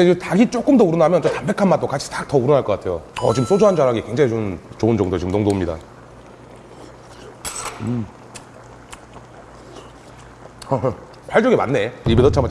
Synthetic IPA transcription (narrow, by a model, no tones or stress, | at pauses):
eɡetaɡit͡ɕ͈ok͈ɯmdʌuɾʌnamjʌnt͡ɕ͈otambe̞kʰanmat͈okat͡ɕʰi̥tak̚tʌuɾʌnaɭkʌk͈atʰe̞joʌt͡ɕiɯms͈od͡ʑoɦand͡ʑaɾaɡikwe̞ŋd͡ʑaŋit͡ɕomnt͡ɕoɯnd͡ʑʌŋdojot͡ɕiɡɯmnoŋdomɲida̰ | ɯ | pwaɭt͡ɕ͈ʌɡema̰nːe̞ibetʌt͡ɕʰama